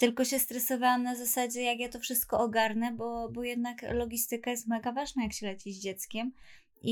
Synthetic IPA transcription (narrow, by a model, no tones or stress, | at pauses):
t̪ɘlkɔɕɛst̪ɾɛsɔvawamnazasad͡ʑɛjakjat̪ɔfʂɘst̪̚kɔʔɔɡaɾnɛbɔbɔjɛd̪naklɔɡʲist̪ɘkajɛst̪mɛɡavaʐnajakɕɛlɛt͡ɕid͡ʑd͡ʑɛt̪skʲɛm | i